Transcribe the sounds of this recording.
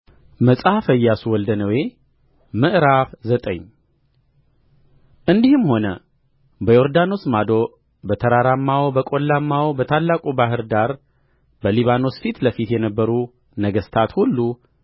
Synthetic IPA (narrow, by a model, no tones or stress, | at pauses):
məsʼafəjːasuwɔld̪ənəwe | mɨʔɾafzət̪ʼə̰ɲː | ʔɨnd̪ihɨmho̞nə | bəjoɾd̪ano̞smad̪o̞ | bət̪ʰəɾaɾamːawbəkʼo̞lːamːawbət̪ʰalːakʼubaɦɨɾd̪aɾ | bəliβano̞sfit̪ləfit̪jɛnəbːəɾu | nəɡəst̪ʰat̪hulːu